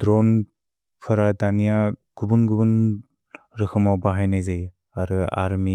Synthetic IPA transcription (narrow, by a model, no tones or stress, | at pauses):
dɾɔn | pʰɯɾatanijaɡ̥ubunɡubun | ɾɯkʰɯmawbaɦajnajzaj | aɾɯa̰ɾmi